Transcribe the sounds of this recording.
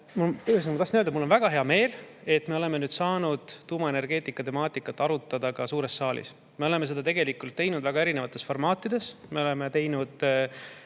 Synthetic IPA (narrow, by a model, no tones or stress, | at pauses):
mɑyesinkmɑt̪ɑsnød̪ɑmulːo̞nvæɡ̥ɑɦe̞ɑme̞ːle̞t̪ːme̞o̞le̞me̞nyːd̪̥sɑːnud̪̥ːuːmɑe̞ne̞rɡ̥e̞ːt̪ːˑikːˑɑt̪e̞mɑːt̪ˑikːˑɑt̪ːˑɑɾut̪ːˑɑd̪̥ɑkɑsuːɾe̞sːɑːlḭs | me̞ole̞me̞s̬e̞d̪̥ɑt̪e̞ɡ̥elikult̪ːe̞jnud̪̥væɡ̥ɑe̞ɾinevɑt̪ˑːe̞sfo̞rmɑːt̪ːˑid̪e̞sme̞o̞le̞me̞t̪e̞jnud̪̥